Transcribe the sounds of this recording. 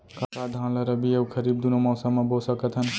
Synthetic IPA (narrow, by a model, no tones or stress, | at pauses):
kakad̪ʱãnləɾəbʱiəkʰəɾiːb̚d̪unomɔːsəmːãbosəkət̪ɦən